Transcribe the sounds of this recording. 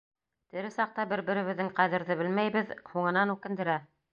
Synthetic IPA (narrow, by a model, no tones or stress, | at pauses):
t̪ɘ̆ɾɘsɑq̚t̪ɑbɘɾbɘ̆ɾɘ̆βɘ̆ðːɘŋqæðɘ̆ɾðɘbɘlmæjβɘðhuɴɤ̆nɑnʉkɘ̆nd̪ɘ̆ɾæ